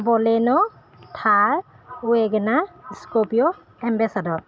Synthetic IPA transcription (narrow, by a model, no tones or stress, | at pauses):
bɔlɛnɔ | tʰaɹ | uɛɡɛnaskopijɔ | ɛmbɛsadɔɹ